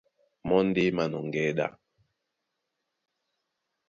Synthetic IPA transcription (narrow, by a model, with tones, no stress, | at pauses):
mɔ˦ndɪ˦ma˨nɔ˨ŋɡɛ˦ɗa̰˦˨